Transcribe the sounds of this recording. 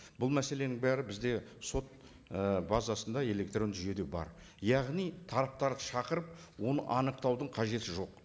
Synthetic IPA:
b̥ʊlˠmæse̞le̞nɪŋbæɾɪbɪzd̪e̞so̞t̪̚ | bazɑsənd̪ɑe̞le̞kt̪ro̞nʒʏje̞d̪e̞bɑ̰ɾ | jɑʁnijt̪ʰɑɾɑp̚t̪ɑɾd̪əʃɑqəɾəp̚ | wo̞nəʔɑnəq̚t̪ɑwd̪əɴqʰɑʒe̞t̪ɪʒo̞q

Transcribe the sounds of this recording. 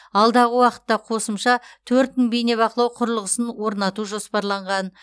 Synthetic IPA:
ɑlˠd̪ɑʁəwɑqə̥t̪ːɑqʰo̞səmʃɑt̪ʰɵɾt̪mɪŋbejne̞bɑqəlˠɑwqʰʊɾəlˠəʁəsənwo̞ɾnɑt̪uʒo̞spɑɾlˠɑɴʁɑn

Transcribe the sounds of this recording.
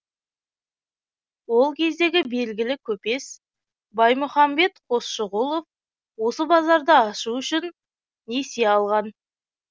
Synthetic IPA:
wo̞lˠkʲʰe̞zd̪e̞ɡʲɪbe̞lɡʲɪlɪkʲʰɵpe̞s | bɑjmʊχɑmbe̞t̪qʰo̞sʃəʁulˠo̞f | wo̞səbɑzɑɾd̪əɑʃuʏʃɪnː | e̞se̞ɑlˠʁɑn

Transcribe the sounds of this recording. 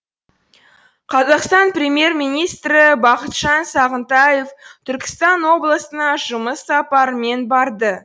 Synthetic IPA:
qʰɑzɑqst̪ɑnprʲemje̞rmijnijst̪ɾɪbɑqət̪ʒɑnsɑʁənt̪ɑje̞ft̪ʰʏɾkʲɪ̥st̪ɑnwo̞blˠəsənɑʒʊməsːɑpɑɾəme̞nbɑɾd̪ə

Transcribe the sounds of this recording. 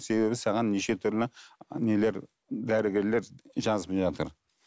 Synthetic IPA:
se̞be̞βbɪsɑʁɑnːeʃe̞t̪ʰʏɾlɪnele̞ɾ | d̪æɾɪɡʲeɾle̞ɾʒɑzəpʒɑt̪ə̰ɾ

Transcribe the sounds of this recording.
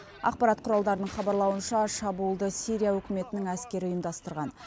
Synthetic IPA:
ɑ̰q̚pɑɾɑt̪qʰʊɾɑlˠd̪ɑɾənəɴχɑbɑɾlˠɑwənʃɑʃɑbuəlˠd̪əsijɾʲijawɵkʲɪme̞t̪ɪnɪŋæskʲe̞ɾɪʊjəmd̪ɑst̪əɾʁɑn

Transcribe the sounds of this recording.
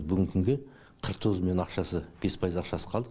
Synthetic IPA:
bʏɡʲɪŋkʲʰʏŋɡʲe | qʰəɾqt̪ʰozəme̞nɑqʃɑsəb̥e̞spʰɑjəzɑqʃɑsə̥qʰɑlˠd̪əq

